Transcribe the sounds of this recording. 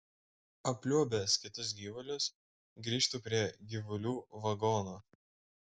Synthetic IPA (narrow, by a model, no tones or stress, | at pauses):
ɐpʲlʲuɔbʲeskʲɪt̪ʊs̬ɡʲiːʋʊlʲʊs | ɡɾʲiːʃt̪uːpʲɾʲiɛɡʲiʋʊlʲuːʋɐɡɔːnoː